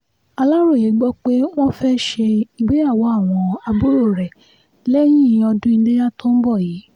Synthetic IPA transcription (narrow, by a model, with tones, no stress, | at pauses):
a˧la˦ɾo˦˨je˨˦ɡ͡bɔ˦k͡pe˦w̃ɔ̃˦fɛ˦ʃe˧i˨ɡ͡be˨˦a˦˨wɔ˨˦a˦˨w̃ɔ̃˧a˧bo˦ɾo˦˨ɾɛ˨ | lɛ˦j̃ĩ˦˨˧ɔ˧dũ˦i˧˦de˦ja˦tõ˦n̩˦bɔ˦˨jiː˨˦